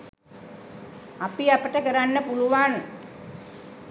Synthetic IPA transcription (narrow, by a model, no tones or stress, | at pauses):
apiapəʈəkəɾanːəpuluʋaŋ